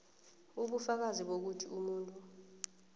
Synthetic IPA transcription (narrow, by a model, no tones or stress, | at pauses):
uɓufak̬aziɓok̬utʰiumuːntʼu